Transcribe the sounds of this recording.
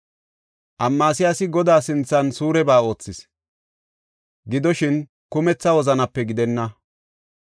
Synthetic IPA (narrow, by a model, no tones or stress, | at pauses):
ʔɐmːaːsɪjasɪɡɔd̪aːsɪnt͡sːɐnsuːɾɛbaːo̞ːt͡sːɪs | ɡɪd̪ɔʃɪn | kʊmɛt͡sːɐwɔzɐnɐpːɛɡɪd̪ɛnːɐ